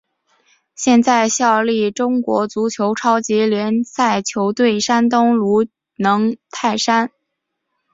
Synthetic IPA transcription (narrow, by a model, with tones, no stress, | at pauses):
ɕjɛ˥˧nt͡sa˥˧ɪɕjɑ˥˧ʊli˥˩ʈ͡ʂʊ˥ŋkwɔ̰˧˥t͡su˧˥t͡ɕʰjo˧˥ʊʈ͡ʂʰɑ˥ʊt͡ɕi˧˥ljɛ˧˥nsa˥˩ɪt͡ɕʰjo˧˥ʊt̪we˥˩ɪʂa˥nt̪ʊ˥ŋlu˧˥ | nɤ˧˥ŋt̪ʰa˥˩ɪʂa˥n